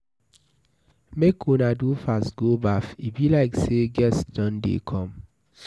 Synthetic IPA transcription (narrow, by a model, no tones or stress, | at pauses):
mekʰũnadufastɡobafibilaɪkseɡɛsdɔ̃ndḛkʰɔ̃m